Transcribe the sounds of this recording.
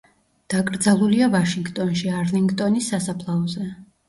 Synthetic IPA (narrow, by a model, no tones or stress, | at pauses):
d̪̥akʼɾd̪zalˠuliavaʃiŋɡt̪ʼɔnʃiaɾliŋɡt̪ʼɔnisːasapʰlˠaɔzɛ